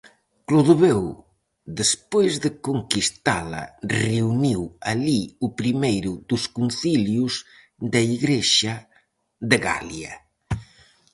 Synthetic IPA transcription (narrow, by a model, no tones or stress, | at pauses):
kloðoβew | d̪espojzðəkoŋkist̪a̰lɐ̰reuniwaliupɾimejɾuðuskunθiljuz | d̪aiɣɾeʃa | ðeɣa̰lja